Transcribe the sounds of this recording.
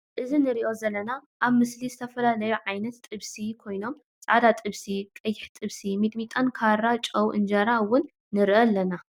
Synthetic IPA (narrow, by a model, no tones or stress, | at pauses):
ʔɨzinɨɾiʔo̞zɐlːɐnaʔaβmɨslizɨt̪ʰɐfɐlalɐjuʕajnɐt̪ːʼɨβsikʰo̞jno̞m | t͡sʼa̰d̪at̪ʼɨβsikʼɐjːɪħt̪ʼɨβsimid̪mit̪ʼankʰaɾːat͡ʃʼɐwʔɨ̰nd͡ʒɐɾawʊnː | ɨɾʔɐlːɐna